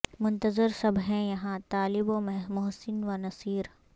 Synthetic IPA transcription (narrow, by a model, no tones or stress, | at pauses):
mʊ̃nt̪əzɪɾsɐbɦɛ̃jɐɦãt̪aːlɪbomɛɦmʊɦsɪnʋanɐsiːɾ